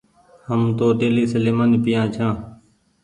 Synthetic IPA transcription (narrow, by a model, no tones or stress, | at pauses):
həmt̪oːʈeːliːsəleːmaːnipɪjãːt͡ʃʰãː